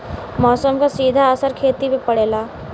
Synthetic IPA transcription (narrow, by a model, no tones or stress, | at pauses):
mɔːsəmkasiːd̪ʱaəsəɾkʰeːt̪ipepɐɽeːlaː